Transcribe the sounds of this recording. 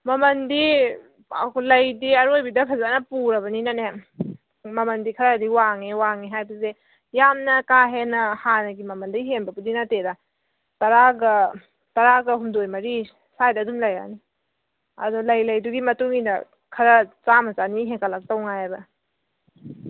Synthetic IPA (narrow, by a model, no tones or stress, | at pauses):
mɐmɐndi | klɐjdiɐɾojbidɐpʰɐzanɐpuɾɐβɐninane | mɐmɐndikʰɐɾadiwaŋewaŋeɦajbɐze | jamnɐkaɦenɐhanɐɡimɐmɐndɐɡiɦenbɐbudinɐteda | tɐɾaɡɐ | tɐɾaɡɐɦumdojmɐɾi | sajdɐdumlɐja̰ni | ɐ̰dɔlɐjlɐjduɡimɐtuŋinɐ | kʰɐɾɐt͡ʃamɐzaniɦeŋkɐlɐk̚tɐwŋajabɐ